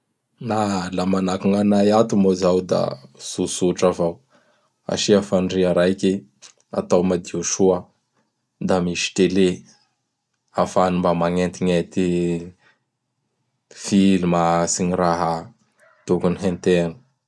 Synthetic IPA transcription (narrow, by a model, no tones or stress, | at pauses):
nalamanakuŋanajat̪umozawd̪a̰z̥usuʈ͡ʂavaw | a̰ʃiafanɖ͡ʐiaɾajkʲi | a̰t̪awmad̪iuʃua | d̪amiʃi̥t̪ele | afanimbamaŋent̪iŋet̪i | filumasiɲiɾaɦa | t̪ukuniɦent̪enu̥